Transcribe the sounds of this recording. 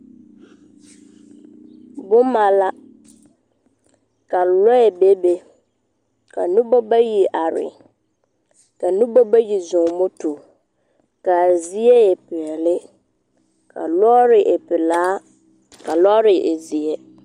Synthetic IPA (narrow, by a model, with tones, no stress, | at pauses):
bʊ˦ma˨la˦ | ka˨lɔ˦ɛ˨be˦be˨ | kʰa̰˨nʊ̃˦bɔ˦ba˦ji˨ʔa˨ɾɪ̰˨ | ka˨nʊ̃˦bɔ˦ba˦ji˨zʊ̃˨ŋ˨mɔ˦tu˨ | ka˨zi˦e˦e˨pɪ˨ɛ˨lɪ˦ | kʰa̰˨lɔ˦ɾɪ˨ʔɛ˨pɪ˨laː˨˦ | ka˨lɔ˦ɾɪ˨ʔe˨zi˨e˦